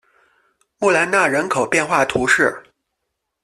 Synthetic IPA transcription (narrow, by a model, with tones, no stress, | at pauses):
mu˥˩la˧˥nna˥˩ɻə˧˥nkʰo˨˩ʊpjɛ˥˧nxwa˥˩t̪ʰu˧˥ʂɻ̩˥˩